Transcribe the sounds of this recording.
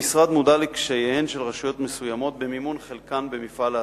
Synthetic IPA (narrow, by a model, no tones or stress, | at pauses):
isʁad̪mud̪alekʃejehenʃelʁaʃujo̞t̪mesujamo̞t̪̚bemimunχelkanbemifal